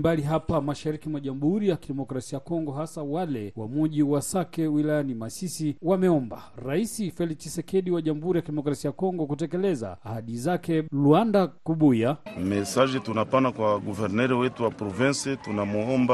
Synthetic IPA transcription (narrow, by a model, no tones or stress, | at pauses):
mbaliɦapamaʃaɾikimaʄamuhuɾijakiɗɛmɔkɾasiakɔŋɡɔɦasawalɛwamuʄiwasakɛwilajanimasisiwamɛɔmbaɾaisifɛlit͡ʃisɛkɛɗiwaʄamuhuɾijakiɗɛmɔkɾasiajakɔŋɡɔkutɛkɛlɛza̰ːhaɗizakɛluandakuɓujamɛsad͡ʒɛtunapanakwaɡuvɛɾnɛɾɛwɛtuwapɾɔvɛnsɛtunamuɔmba